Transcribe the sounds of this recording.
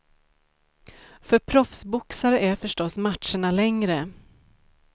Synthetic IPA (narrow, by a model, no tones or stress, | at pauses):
fœɾpʰɾɔfsbʊksaɾəʔæɾfœʂʈɔsmatʂəɳalɛŋɾə